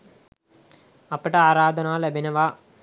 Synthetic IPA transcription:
ɐpːɐʈɐaːɾaːd̪ʱɐnaːlɐbʱinɐʋaː

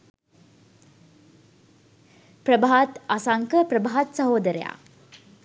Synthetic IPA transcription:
pɾəbaɦat̪asaŋkəpɾəbaɦat̪səɦoːd̪əɾəja̰

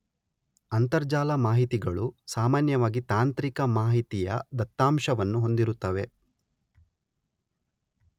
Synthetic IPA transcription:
ɐnt̪ɐɾd͡ʒaːlɐmaːɦit̪iɡɐɭusaːmaːnjɐʋaːɡit̪aːnt̪ɾikɐmaːɦit̪ijɐ̰d̪ɐt̪ːaːmʃɐʋɐnːuɦo̞nd̪iɾut̪ːɐʋe̞

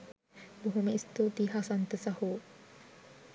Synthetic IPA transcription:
buɦumeist̪ut̪iɦasant̪əsahu

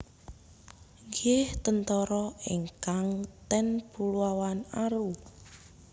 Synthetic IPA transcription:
ŋɡeht̪ənt̪ɔɾɔiŋkaŋt̪ɛnpuluawanaɾu

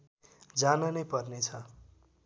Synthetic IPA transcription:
d͡zanʌnʌjpʌrnet͡sʰʌ

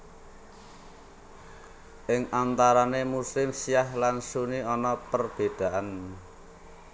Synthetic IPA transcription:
ʔɪŋʔant̪aɾanemuslɪmsijahlansuniɔnɔpərb̥ed̪̥a̤ʔan

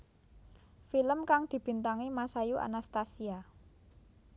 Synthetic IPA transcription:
filəmkaŋd̪̥i̤b̥i̤nt̪aŋimasajuʔa̰nast̪asia

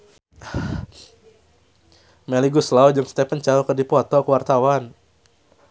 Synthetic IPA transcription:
mɛliɡuslaud͡ʒəŋst̪ɛpənt͡ʃaɾukərdipɔt̪ɔkəwart̪awan

